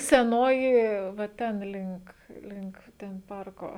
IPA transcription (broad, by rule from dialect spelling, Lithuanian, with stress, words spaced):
sʲɛˈnoːjɪ ʋɐ ˈtʲɛn ˈlʲɪŋk ˈlʲɪŋk ˈtʲɛn ˈpɐrkoː